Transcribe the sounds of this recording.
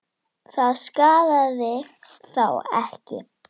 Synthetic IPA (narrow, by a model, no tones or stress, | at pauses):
θaðskaːðaðɪ | θawɛ̰hcɪ̰